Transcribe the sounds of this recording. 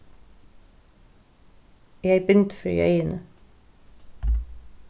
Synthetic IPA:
jæɪbʏnt̪fɾy̰ːʔœ̰ʏənə

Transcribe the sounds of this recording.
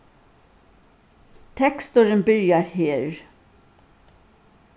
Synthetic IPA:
t̪ʰɛkst̪ʊɾənbʏɹjɑɾheːɹ

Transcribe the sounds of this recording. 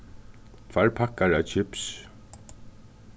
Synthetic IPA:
t̪ʰvaɹpʰakːaɹat͡ʃʰɪps

